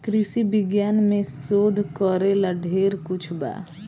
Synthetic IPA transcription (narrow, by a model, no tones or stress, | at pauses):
kɾɪsibɪɡjaːnmẽsoːd̪ʱkɔɾelaɖʱeːɾkʊt͡ʃʰba̰ː